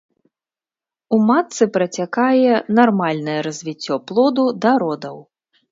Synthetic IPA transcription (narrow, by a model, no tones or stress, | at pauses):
umat̪sɨpɾɐt͡sʲakajɛnarmalʲnɐjɛɾɐzʲvʲit͡sʲːɔplˠɔd̪ud̪ɐɾɔd̪ɐw